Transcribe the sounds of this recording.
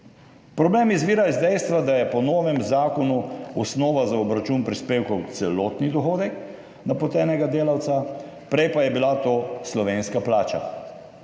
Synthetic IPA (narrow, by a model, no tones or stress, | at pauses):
pɾɔbleːmizʋiːɾajɛzd̪ɛjst̪ʋad̪ajɛpɔnoːʋɛmzaːkɔnuɔsnɔːʋazaɔbɾat͡ʃuːnpɾispeːwkɔwt̪sɛloːt̪nid̪ɔxoːd̪ɛk | napɔt̪ɛːnɛɡad̪eːlawt̪sa | pɾɛjpajɛbilat̪oːslɔʋeːnskaplaːt͡ʃa̰